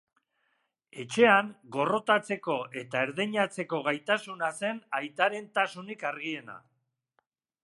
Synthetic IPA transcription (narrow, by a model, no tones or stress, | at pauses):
e̞t͡ʃe̞aŋɡo̞ro̞t̪at͡se̞ko̞e̞t̪aeɾðeɲat͡se̞ko̞ɣajt̪asunase̞najt̪aɾe̞nt̪asunikaɾɣ̞ie̞na̰